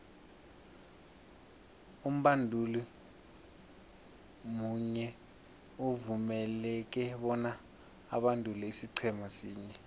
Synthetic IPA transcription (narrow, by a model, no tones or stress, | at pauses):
um̩ɓandʱuli | muɲɛ | uvumɛlɛk̬ɛɓɔna̰ː | ɓandʱʼulɛisiǀʰɛmasiːɲɛ